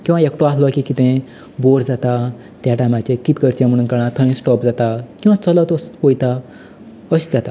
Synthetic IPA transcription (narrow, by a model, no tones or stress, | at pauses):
kĩaekʈoasloakikit̪ẽ | boɾd͡zat̪a | t̪jaʈamat͡ɕekit̪kəɾt͡ɕãm̤əɽ̃uːnkəɾ̃ãt̪ʰə̃ĩsʈɔpd͡zat̪akĩw̃ʋãt͡sələt̪ɔskojt̪a | əɕid͡zat̪a